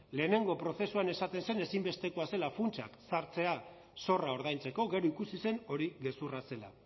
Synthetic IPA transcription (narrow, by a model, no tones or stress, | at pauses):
le̞ːne̞ŋɡo̞pɾo̞se̞suane̞sat̪e̞nse̞ne̞simbe̞st̪e̞koase̞lafunt͡ʃa̰ksaɾt͡se̞a | so̞rao̞ɾð̞ajnt͡se̞ko̞ɣe̞ɾoikusise̞no̞ɾiɣe̞surase̞la̰